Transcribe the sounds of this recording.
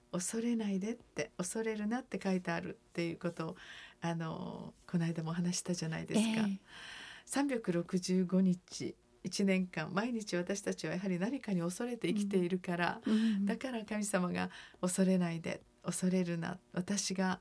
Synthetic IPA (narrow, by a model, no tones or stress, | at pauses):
o̞so̞ɾe̞naid̪e̞t̪ːe̞o̞so̞ɾe̞ɾɯ̟nat̪ːe̞kait̪eaɾɯ̟̰t̪ːe̞jɯ̟ːko̞t̪o̞ːano̞̰ko̞naid̪amo̞ɦanaɕi̥t̪aʑanaid̪e̞sɨ̥ka̰ | sãmbʲokɯ̟ɾo̞kɯ̟ʑɨːɡo̞ɲ̟it͡ɕḭ | it͡ɕinẽ̞ŋkãmːaiɲ̟it͡ɕiβat̪aɕi̥t̪at͡ɕiβajaɦaɾʲinaɾʲikaɲ̟io̞so̞ɾe̞t̪e̞ikʲi̥t̪e̞iɾɯ̟kaɾa̰d̪akaɾakamʲisamaɡa̰o̞so̞ɾe̞naid̪e̞̰ | o̞so̞ɾe̞ɾɯ̟na̰βat̪aɕiɡa